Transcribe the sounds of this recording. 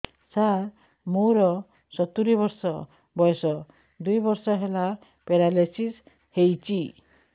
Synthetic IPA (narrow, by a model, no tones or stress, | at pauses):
saɾ | moɾɔ | sɔt̪uɾibɔɾsɔ | bɔjsɔ | d̪ujbɔɾsɔɦela | peɾalesis | hejt͡ʃi